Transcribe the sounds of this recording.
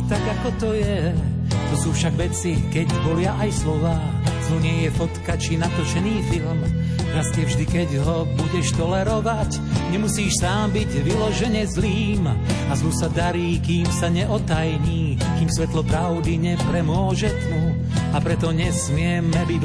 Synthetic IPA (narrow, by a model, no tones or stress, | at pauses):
t̪aɡakɔt̪ɔjɛ | t̪ɔsuːfʃaɡʋɛt͡sikɛɟbɔlɪaʔajslɔʋaːzuːɲɪɛjɛfɔt̪kat͡ʃinat̪ɔt͡ʃɛniːfilm | nast̪ɪɛvʒd̪ikɛɟɦɔ | buɟɛʃt̪ɔlɛɾɔʋac | ɲɛmusiːʃsaːmbiɟʋilɔʒɛɲɛzliːmazuːsad̪aɾiːkiːmsaɲɛʔɔt̪ajɲiː | kiːmsʋɛt̪lɔpɾaʊd̪iɲɛpɾɛmʊɔʒɛt̪u | apɾɛt̪ɔɲɛsmɪɛmɛbi